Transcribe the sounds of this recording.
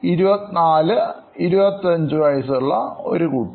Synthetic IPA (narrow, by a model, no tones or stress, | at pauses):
iɾubɐt̪ːinaːlɨ | iɾubɐt̪ːiɐɲd͡ʑɨʋɐjsuɭːɐo̞ɾukuːʈː